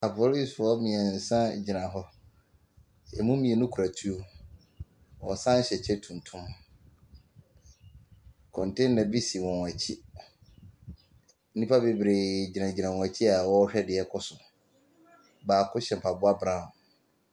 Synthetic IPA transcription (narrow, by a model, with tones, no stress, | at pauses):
a˨pʰo˦li˦sfɔ˦mĩ˨ɛ˨n̩˨sã˦d͡ʑi˨nã˨ɦɔ˦ | ɛ˨mũ˦mĩ˨e˨nʊ̃˦kʰu˨ɾa˨tʰu˦o˦ | wɔ˨sã˦ɕɛ˨t͡ɕʰɛ˦tʰũ˨n˨tʰʊ̃˦m | kʰɔ̃˨ntʰɪ̃˦nː˦ã˨bi˦si˨wɔ̃˨n˨a˨t͡ɕʰi˦ | nĩ˦pʰa˦be˨bɾe˨d͡ʑi˨nã˨d͡ʑi˨nã˨wɔ̃˨æ˨t͡ɕʰi˦a˨wɔ˦ɕᶣɛ˦dɪ˨ɛ˦kʰɔ˦sʊ˨ | baː˨kʰʊ˦ɕɛ˨m˨pʰa˨bʊ˦a˦bɾã˦˨